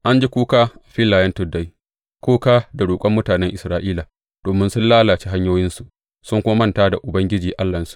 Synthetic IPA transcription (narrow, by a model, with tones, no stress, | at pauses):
ʔa˦nd͡ʒi˦kʷuː˦kaː˦ʔa˨ɸɪ˦lːaː˨jɐ˦ntʊ˦˨da˦j | kʷoː˦kaː˦da˨ɽoː˨kʷʼɐ˦mːʊ˦taː˨nɛ˦ŋʔɪ˨sɾaː˦ʔiː˦laː˨ | d̥oː˨mɪ˦nsʊ˦nlaː˦laː˨t͡ʃi˦ɦa˦ɲjoː˦jɪ˦nsu˨ʔ | sʊ˦ŋkʷʊ˦ma˦mɐ˦ntaː˦da˨ʔʊ˨bɐ˦ŋɡʲɪ˦d͡ʒiː˨ʔa˦lːɐ˨nsu̥˦ʔ